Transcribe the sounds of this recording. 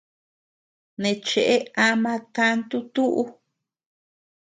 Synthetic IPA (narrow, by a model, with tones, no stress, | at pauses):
nẽ˨t͡ʃe˨ʔe˦a˧mã˧t̪a˦nt̪u˦t̪u˦ʔu˦